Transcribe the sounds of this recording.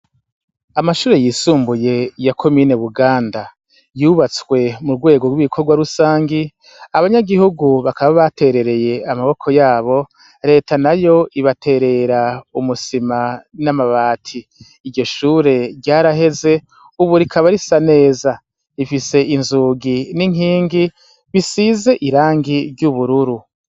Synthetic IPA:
amaʃuːɾe̞jiːsuːmbuje̞jakʰo̞miːne̞βuɡaːnda | juβat͡swe̞muɾɡwe̞ːɡo̞ɡwiβikʰo̞ɾɡwaɾusaːŋɡi | aβaɲaɡihuɡuβakaβaβate̞ɾe̞ɾe̞je̞amaβo̞kʰo̞jaːβo̞ | ɾe̞ːtʰanajo̞ʔiβatʰe̞ɾe̞ɾaumusimanamaβaːtʰiː | ɾɟo̞ʃuːɾe̞ɾɟaːɾaɦe̞ze̞ | uβuɾikʰaβaɾisane̞ːza | ifise̞ʔinzuːɡiniŋiːŋɡi | βisize̞ʔiɾaːŋɡiɾɟuβuɾuɾu

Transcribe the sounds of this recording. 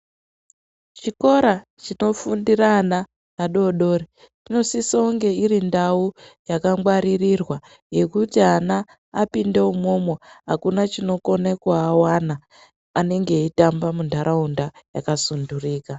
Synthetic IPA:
t͡ʃiko̞ɾa | t͡ʃino̞fundirana | naɗo̞ɗo̞ːri | t͡ʃino̞sisauŋɡe̞iɾindaujakaŋɡwaɾirirwa | je̞kutianaː | pinde̞umomwoɦakunat͡ʃino̞ko̞nekuawanaː | ne̞ŋɡe̞itambamundʱaɾʔaundaja̰kasunduriːka

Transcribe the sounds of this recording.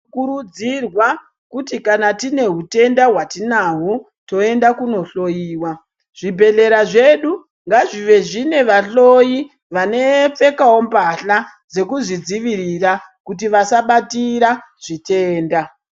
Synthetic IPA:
kuɾud͡zirwa | kutikanatine̞ɦute̞ndaɦwatinaɦo | to̞e̞ndakuno̞ɬo̞jiːwa | ʐ̥ibʱe̞ɮe̞ɾaʐe̞ɗu | ŋɡaʐiʋe̞ʐine̞ʋaɬoji | ʋane̞p͡fe̞kawo̞mbaɬa | d͡ze̞kuʐid͡ziʋiɾira | kut̬iʋasaɓatiɾa | ʐ̥iteːnda

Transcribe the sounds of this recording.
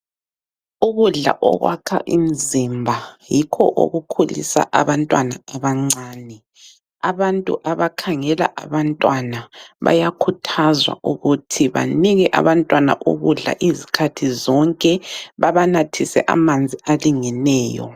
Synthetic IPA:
uɣuɮa̰ʔɔ̰ɣwakʰa̰ʔḭm̩zimbʱajikʰɔ̰ʔo̰ɣukʰulḭsa̰ʔaβantʼwanaaβaŋ͡ǀaːnɛ | aβantʼṵʔaβakʰaŋɛla̰ʔaβantʼwanaβa̰jakʰutʰazwa̰uɣutʰiβa̰niɣɛʔa̰βantʼwana̰ʔo̰ɣuɮa̰ʔizikʰatʰizɔŋkʼɛβaβanatʰisɛ̰ʔa̰mand͡zʱialiŋɛnɛːjɔ̰

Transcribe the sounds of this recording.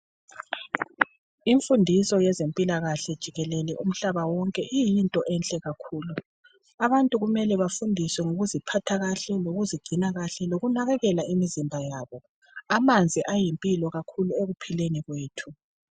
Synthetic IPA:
iɱfundʱisɔjɛzempʼilaɣaɬɛd̥ʒ̥ʱiɣɛlɛlɛʔum̩ɬaβawɔŋkʼɛʔijintʼɔʔɛnɬʼɛɣakʰuːlu | aβantʼuɣumɛlɛβafundʱiswɛŋoɣuzipʰatʰaɣaɬɛloɣuziɡ͡ǀ̥ʱinaɣaɬɛloɣunaɣɛɣɛlaimizimbʱajaːβɔ | amand͡zʱiʔajimpʼilɔɣakʰulueɣupʰileniɣweːtʰu

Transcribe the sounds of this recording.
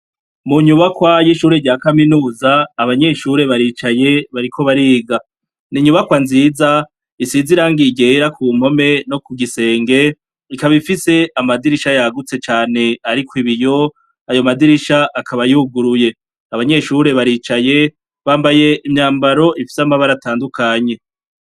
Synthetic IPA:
muɲuβakwajiʃuːɾeɟaːkaminuːzaːβaɲe̞ʃuɾe̞βaɾit͡ʃaje̞βaɾikʰo̞βaɾiːɡa | niɲuβakwanziːza | isiziɾaːŋɡiɟeɾakʰuːm̥ho̞me̞no̞kuɡise̞ːŋɡe̞ | ikaβifise̞amadiɾiʃajaɡut͡se̞t͡ʃaːne̞aɾikwiβijo̞ | ajo̞madiɾiʃaʔakʰaβajiuɡuɾuje̞ | aβaɲe̞ʃuɾe̞βaɾiːt͡ʃaje̞ | βaːmbaje̞ʔimɲaːmbaɾo̞ʔifi̥samaβaɾataːndukaɲe̞

